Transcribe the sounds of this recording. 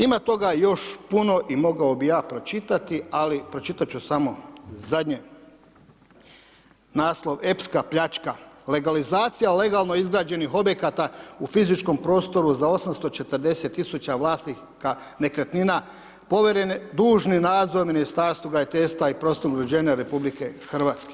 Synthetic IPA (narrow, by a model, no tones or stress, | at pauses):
imat̪o̞ɡajo̞ʃpuno̞ʔimo̞ɡaobijaːpɾo̞t͡ʃit̪at̪ialipɾo̞t͡ʃit̪at͡ɕusamo̞zad̪ɲe | naːslˠo̞ʋe̞pskapʎat͡ʃkale̞ɡalizaːt̪sijale̞ɡaːlˠno̞izɡɾaːd͡ʑe̞niɦo̞bje̞kat̪aufizit͡ʃko̞mpɾo̞ːst̪o̞ɾuzao̞samst̪o̞t͡ʃe̞t̪əɾd̪e̞set̪ːisut͡ɕaʋlˠaːst̪ni | ka | ne̞kɾet̪nina | po̞ʋeɾened̪uːʒninaːd̪zoɾminist̪aːɾst̪ʋoɡɾajit̪eːst̪ʋaipɾost̪oɡɾod͡ʑeːɲaɾe̞publike̞xr̩ʋaːt̪ske